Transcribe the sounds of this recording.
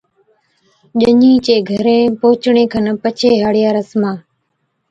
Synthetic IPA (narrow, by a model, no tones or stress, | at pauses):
ʄəɲĩːt͡ʃeːɡʱəɾẽːpoːt͡ʃɳ̃ẽːkʰənpət͡ʃʰeːɦaːɽɪjaːɾəsmãː